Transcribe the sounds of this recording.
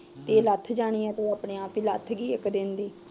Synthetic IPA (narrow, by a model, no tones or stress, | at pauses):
t̪eːlət̪ʰd͡ʒaːɽ̃iːɛ̃ːt̪oːaːpɳẽːaːpiːlət̪ʰɡiːɪkd̪ɪnd̪iː